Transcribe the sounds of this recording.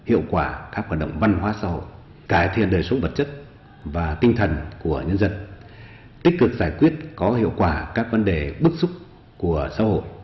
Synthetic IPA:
hḭ˧˨əwkwaː˧˩kaː˦˥k̚waː˨˩nɗə̰˧˨ŋ͡mva˧nhwaː˨˦sa̰ː˧ho̰˧˨j | kaː˧˩jt̪ʰḭ˧˨ənɗəː˨˩jsə˨˦ŋ͡mvə˨˩t̚t͡ɕə˦˥t̚ | vaː˨˩t̪ï˧ŋ̟t̪ʰə˨˩nku˧˩əɲə˧nzə˧n | t̪ï˦˥k̟̚kɨ˨˩k̚zaː˧˩jkwi˦˥ət̚kɔ˨˦ɦhḭ˧˨əwkwaː˧˩kaː˦˥k̚və˨˦nɗe˨˩ɓɨ˦˥k̚sʊ˦˥k͡p̚ | ku˧˩əsa̰ː˧˥ɦo̰˧˨j

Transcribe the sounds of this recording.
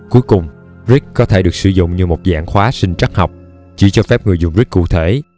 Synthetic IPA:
ku˨˦əjkʊ˨˩ŋ͡m | zi˦˥k̚kɔ˨˦t̪ʰe˧˩ɗɨ˨˩ək̚sɨ˧˩zʊ̰˧˨ŋ͡mɲɨ˧mo˨˩t̚za̰ː˧˥ŋxwaː˨˦sï˧ŋ̟t͡ɕa˦˥k̚ha˨˩wk͡p̚ | t͡ɕi˧˩t͡ɕɔ˧fɛ˦˥p̚ŋɨ˨˩əjzʊ˨˩ŋ͡mzi˦˥kːṵ˧˨t̪ʰe˧˩

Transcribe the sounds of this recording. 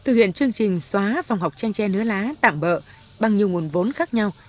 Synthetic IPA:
t̪ʰɨ˨˩hḭ˧˨ənt͡ɕɨ˧əŋt͡ɕï˨˩ŋ̟swaː˨˦va˨˩wŋ͡mɦa˨˩wk͡p̚t͡ɕa˧jŋ̟t͡ɕɛ˧nɨ˨˦əlaː˨˦t̪a̰ː˧˨mɓə̰ː˧˨ | ɓa˨˩ŋɲi˨˩əwŋu˨˩ənvo˨˦nxaː˦˥k̚ɲa˧w

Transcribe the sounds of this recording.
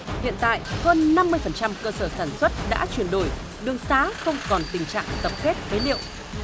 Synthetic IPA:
hḭ˧˨ənt̪a̰ː˧˨jhəː˧nːa˧mːɨ˧əjfə˨˩nt͡ɕa˧mkəː˧səː˧˩saː˧˩nswə˦˥t̚ɗa̰ː˧˥t͡ɕwi˧˩ənɗo˧˩j | ɗɨ˨˩əŋsaː˨˦xə˧wŋ͡mkɔ˨˩nt̪ï˨˩ŋ̟t͡ɕa̰ː˧˨ŋt̪ə˨˩p̚xe˦˥t̚vəː˨˦jlḭ˧˨əw

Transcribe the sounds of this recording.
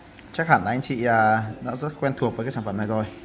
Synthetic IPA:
t͡ɕaː˦˥k̚xaː˧˩nla˨˦ŋt͡ɕḭ˧˨əː˨˩nɔ̰˧˥zə˦˥t̚xwɛ˧nt̪ʰu˨˩ək̚əː˨˦kaː˦˥t͡ɕa˧˩faː˧˩mna˧˩zo˧˩j

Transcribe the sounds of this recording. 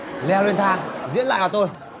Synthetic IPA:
lɛ˧le˧nt̪ʰaː˧˩zḭ˧˥nla̰ː˧˨jəː˧˩t̪o˧j

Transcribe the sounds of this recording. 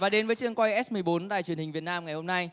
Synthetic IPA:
vaː˨˩ɗe˨˦nvəː˨˦jt͡ɕɨ˧əŋkwa˧jʔɛ˦˥mɨ˨˩əjɓo˨˦nɗa̰ː˧˩jt͡ɕwi˨˩ənï˨˩ŋ̟vi˨˩ət̚naː˧mŋa˨˩jho˧mna˧j

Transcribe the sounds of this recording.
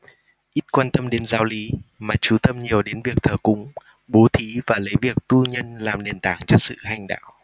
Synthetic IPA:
ʔi˦˥t̚kwaː˧nt̪ə˧mɗe˨˦nzaː˨˦wli˨˦maː˨˩t͡ɕu˨˧˩t̪ə˧mɲi˨˩əwɗe˨˦nvi˨˩ək̚t̪ʰəː˧˩kʊ̰˧˥ŋ͡m | ɓo˨˦t̪ʰi˨˦vaː˨˩lə˨˦jvi˨˩ək̚t̪u˧ɲə˧nlaː˨˩mne˨˩nt̪a̰ː˧˩ŋt͡ɕɔ˧sɨ̰˧˨ɦa˨˩jŋ̟ɗa̰ː˧˨w

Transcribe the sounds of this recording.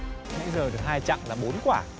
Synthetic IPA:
ŋɛ̰˧˥jzəː˨˩ɗɨ˨˩ək̚haː˧jt͡ɕa̰˧˨ŋlaː˨˩ɓo˨˦nkwaː˧˩

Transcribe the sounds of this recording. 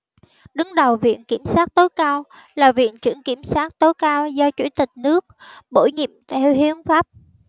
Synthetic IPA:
ɗɨ˨˦ŋɗə˨˩wvḭ˧˨ənki˧˩əmsaː˦˥t̚t̪o˨˦jkaː˧w | laː˨˩vḭ˧˨ənt͡ɕɨ̰˧˩əŋki˧˩əmsaː˦˥t̚t̪o˨˦jkaː˧wzɔ˧t͡ɕṵ˧˩t̪ï˨˩k̟̚nɨ˦˥ək̚ɓo˧˩jɲḭ˧˨əmt̪ʰɛ˧whi˨˦əŋfaː˦˥p̚

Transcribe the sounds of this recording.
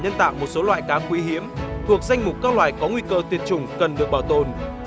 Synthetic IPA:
ɲə˧nt̪a̰ː˧˨wmo˨˩t̚so˨˦lwa̰ː˧˨jkaː˨˦kwi˨˦ɦi˨˦əmt̪ʰu˨˩ək̚za˧jŋ̟mʊ˨˩k͡p̚kaː˦˥k̚lwa̰ː˧˨jkɔ˨˦ŋwi˧kəː˧t̪ʰi˨ənt͡ɕʊ˨˩ŋ͡mkə˨˩nɗɨ˨˩ək̚ɓaː˧˩wt̪o˧˨˩n

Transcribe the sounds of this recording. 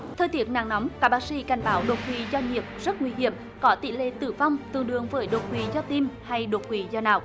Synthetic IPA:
t̪ʰəː˧jt̪i˦˥˩ət̚na̰ː˧˨ŋnɔ˨˦mkaː˧˥ɓaː˧˥sḭ˧˥ka˨˩jŋ̟ɓaː˨˦wɗo˨˩t̚kwi˨˦zɔ˧ɲi˨˩əp̚zə˦˥t̚ŋwi˧ɦi˧˩əm | kɔ˨˦t̪ḭ˧˨lḛ˧˨t̪ɨ˧˩va˧wŋ͡mt̪ɨ˨əŋɗɨ̰˨əŋvəː˨˦jɗo˨˩t̚kwi˨˦zɔ˧t̪i˧mha˧jɗo˨˩t̚kwi˨˦zɔ˧na̰ː˧˨wʔ

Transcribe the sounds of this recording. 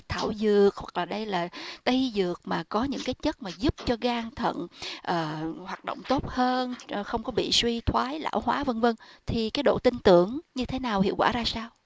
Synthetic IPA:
t̪ʰa̰ː˧˩wzɨ˨˩ək̚hwa˨˩k̚laː˨˩ɗə˧jlaː˨˩t̪ə˧jzɨ˨˩ək̚maː˨˩kɔ˨˦ɲɨ̰˧˥ŋkaː˨˦jt͡ɕə˦˥t̚maː˨˩zu˦˥p̚t͡ɕɔ˧ɣaː˧ŋt̪ʰə̰˧˨nʔəː˨˩hwaː˨˩t̚ɗo̰˧˨wŋ͡mt̪o˦˥t̚həː˧n˨xə˧wŋ͡mkɔ˨˦ɓḭ˧˨swi˧t̪ʰwaː˨˦jla̰ː˧˩whwaː˨˦və˧ŋvə˧ŋt̪ʰi˨˩kaː˨˦jɗo̰˧˨t̪ï˧ŋt̪ɨ˧˩˨əŋɲɨ˧t̪ʰe˨˦naː˨˩whḭ˧˨əwkwa̰ː˧˩zaː˧saː˧w

